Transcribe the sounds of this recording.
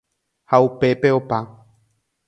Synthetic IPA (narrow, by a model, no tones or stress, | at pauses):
haupe̞pe̞opa